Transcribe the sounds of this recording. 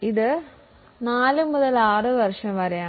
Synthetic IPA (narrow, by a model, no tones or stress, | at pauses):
iðɨ | naːlɨmuðɐlaːrɨʋɐrʂɐmʋɐɾɐjaː